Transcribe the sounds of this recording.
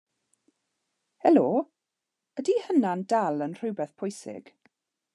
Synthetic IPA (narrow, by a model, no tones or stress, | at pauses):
hɛloː | ədihənandalˠənr̥ʊwbɛθpʰʊjsɪ̰ɡ̥